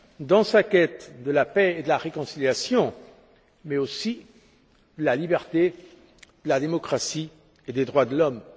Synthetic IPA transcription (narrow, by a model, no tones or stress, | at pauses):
d̪ɑ̃sakʲɛt̪d̪əlapɛed̪əlaʁekɔ̃siljasjɔ̃ | mɛosi | d̪əlalibɛʁt̪e | d̪̥əlad̪emɔkχasi | ed̪ed̪ʁwad̪əlɔm